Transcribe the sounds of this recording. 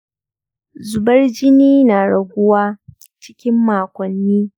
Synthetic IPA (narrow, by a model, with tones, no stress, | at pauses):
zʊ˨bɐ˦rd͡ʒɪ˦niː˦naː˨ɽɐ˨ɡʷʊ˦waː˦ | t͡ʃɪ̥˦kʲɪ˦mːaː˨kʷɔ˨nːiː˦